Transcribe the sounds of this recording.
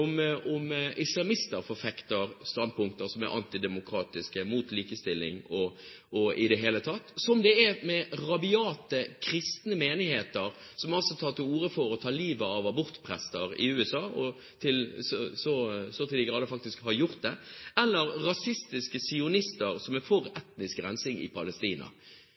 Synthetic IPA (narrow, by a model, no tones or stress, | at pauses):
ʊmʊmɪslɑmɪst̪əɾfɔfɛkt̪əɾst̪ɑnd̪̚pʰʊŋk̚t̪əɾsɔmæ̰ɾʔɑ̰nt̪ɪd̪ɛmʊkʰɾɑːt̪ɪskəmuːt̪liːkəst̪ɪlːɪ̰ŋɔ | ʔɔɪd̪ɛɦeːlət̪ʰɑt̪ːsɔmd̪ɛɛmɛʁɑbɪɑːt̪əkʰɾɪst̪nəmeːnɪheːt̪əɾ | sɔmɑlsɔt̪ʰɑːt̪ɪluːɾəfɔɾɔt̪ʰɑːliːʋəɑʋɑbʊɾt̪pʰɾɛst̪əɾɪ̰ʉːɛsɑːɔ | t̪ʰɪlsɔsɔsɔt̪ʰɪlɪɡɾɑːd̪ɛfɑkt̪ɪskhɑɾjʊʁt̪̚d̪ɛɛlːəɾːɑsɪst̪ɪskəsɪʊnɪst̪əɾsɔmɛfɔɾɛt̪nɪskɡɾɛnsɪŋɪ̰pʰɑləst̪iːnɑ̰